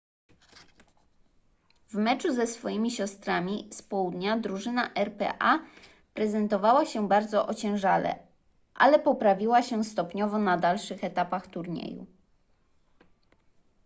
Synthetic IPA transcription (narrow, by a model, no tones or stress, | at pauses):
vmɛt͡ʂuzɛsfɔjimʲiɕɔst̪ɾamʲispɔwud̪ɲad̪ɾuʐɘnaʔɛɾpɛ̰ʔa | pɾɛzɛnt̪ɔvawaɕɛbaɾd̪zɔʔɔt͡ɕɛ̃w̃ʐalɛ̰ | ʔa̰lɛpɔpɾavʲiwaɕɛst̪ɔpɲɔvɔnad̪alʂɘxɛt̪apaxt̪uɾɲḛjṵ